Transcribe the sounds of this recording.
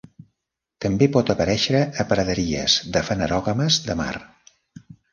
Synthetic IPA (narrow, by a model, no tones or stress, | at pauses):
t̪əmbepɔt̪əpəɾɛʃɾəːpəɾəðəɾiə̰zðəfənəɾɔɣəməzðəma̰r